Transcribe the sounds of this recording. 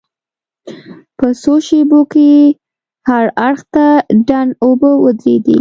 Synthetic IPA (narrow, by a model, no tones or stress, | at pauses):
pəsoʃeboke | haɾaɽxt̪aɖanobəwəd̪ɾḛd̪ḭ